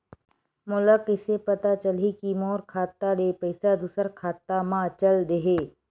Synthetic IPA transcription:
mʊləkɪsepɐt̪at͡ʃəlikimɔːɾkʰaːt̪ːaleːpɐɪsad̪ʊsəɾkʰaːt̪ːamãt͡ʃɐld̪eɦeː

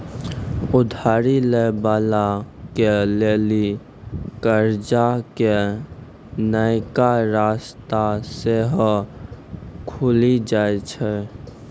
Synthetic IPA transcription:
ʊd̪ʱaːɾilebaːlakeleːli | kəɾd͡ʒake | nəɪkaɾaːst̪aseɦ | kʰulid͡ʒaːet͡ʃʰɛ

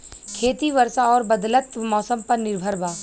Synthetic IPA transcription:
kʰeːt̪iʋɐɾsaɔːɾbɐd̪lət̪mɔːsəmpɐɾnɪɾbʱəɾʋaː

